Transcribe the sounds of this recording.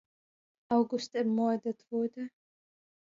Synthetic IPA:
ʔaʊɡʊstɛɐmɔɐdətv̥ʊɐdə

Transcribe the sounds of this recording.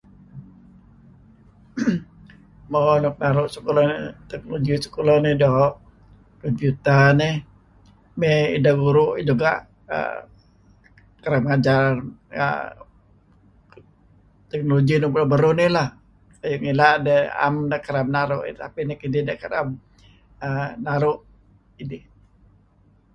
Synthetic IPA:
mɔnɔk̚naɾʊʔsu̥kolɔnt̪ɛk̚noloɡisu̥kolɔnɪdɔɦʔ | kɔmpjut̪ənɪ | meḭdaɡuɾʊʔd͡ʒuɡa̰ʔ | ə̰ | kəɾamŋad͡ʒarə̰ | t̪ɛk̚noloɡinopulɔbəɾunɪlah | ajʊʔŋilaʔdəa̰mdakəɾamnaɾʊʔt̪a̰pinɪkididakəɾa̰m | ənaɾʊʔ | idɪ

